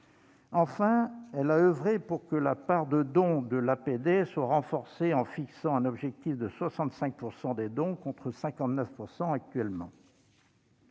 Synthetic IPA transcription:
ɑ̃fɛ̃ɛlaøvʁepuʁkəlapaʁd̪əd̪ɔ̃d̪əlaped̪eswaʁɑ̃fɔʁseɑ̃fiksɑ̃ɛ̃nɔbʒɛk̚t̪ifd̪əswasɑ̃t̪sɛ̃k̚puʁsɑ̃d̪ed̪ɔ̃kɔ̃t̪χəsɛ̃kɑ̃t̪nəfpuʁsɑ̃ak̚t̪ɥɛlmɑ̰̃

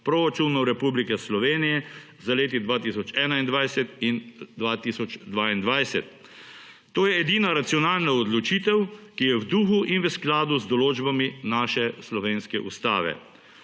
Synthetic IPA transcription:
pɾɔɾat͡ʃunɔɾɛpublikɛslɔʋeːnijɛ | zaleːt̪̬id̪ʋaːt̪isɔt͡ʃɛːnaind̪ʋajsɛt̪ind̪ʋaːt̪isɔt͡ʃd̪ʋaːind̪ʋajsɛt̪ː | oːjɛːd̪iːnaɾat̪siɔnaːlnaɔd̪lɔt͡ʃiːt̪ɛwkijɛwd̪uːxuʔinʋəsklaːd̪uzd̪ɔloːd͡ʒbaminaːʃɛslɔʋeːnskɛʔṵst̪a̰ːʋɛ̰

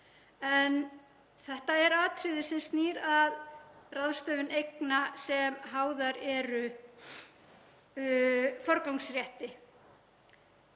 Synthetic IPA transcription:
ɛn | θɛht̪aɛɾaːt̪ʰɾɪðɪsɪnst̪niːɾaðraðst̪œːvʏnejknasɛmɦaːwðaɾɛɾʏ | fɔɾkawŋksrjɛht̪ɪ

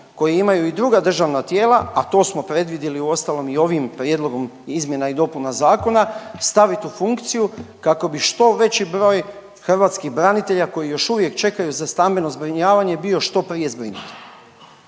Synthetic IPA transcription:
ko̞jeimajuid̪ɾuɡad̪r̩ʒaʋnat̪je̞ːlˠaat̪o̞ːsmo̞pɾe̞d̪ʋid̪jiliuo̞st̪alˠo̞mio̞ʋimpɾje̞d̪lˠo̞ɡo̞mizmʲje̞naid̪o̞punazaːko̞nast̪aʋit̪ufuŋkt̪sijukako̞biʃt̪o̞ʋe̞t͡ɕibɾo̞ːj | xr̩ʋaːt̪skiɣbɾanit̪e̞ʎako̞jijo̞ʃuʋje̞kt͡ʃe̞kajuzast̪ambe̞no̞zbɾiɲaːʋaɲe̞bio̞ʃt̪o̞pɾije̞zbɾḭnut̪i̥

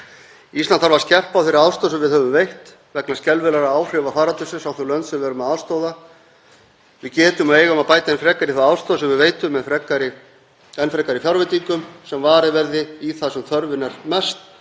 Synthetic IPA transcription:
ist̪lanθaɾvaɾscɛr̥pawθɪɾːɪaðst̪oːðasɛmvɪðhœvʏmvejht̪ | vɛknascɛlvɪlaɾaaːwr̥ɪvafaːɾat̪ʏsɪnsawθɛɾlœnt̪sɛvɛːɾʏmaðaðst̪owða | vɪðcɛːt̪ʏmaeːjɣaɔmaðpaːjt̪aɪnfɾɛkːaɾɪθaaðst̪oːðasɛmvɪðveːjt̪ʏmːɛðfɾɛkːaɾɪ | ɛnːfɾɛkːaɾɪfjawɾvɪt̪ikʏmsɛmvaːɾɪvɛɾðɪiθasɛmθœɾvɪnaɾ̥mɛst̪

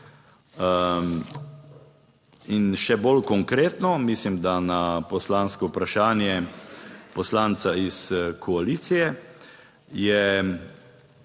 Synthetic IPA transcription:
inʃɛbolkɔŋkɾeːt̪nɔmislimd̪anapɔslaːnskɔpɾaʃaːnjɛ | pɔslaːnt̪saiskʰɔaliːt̪sijɛ | jɛ

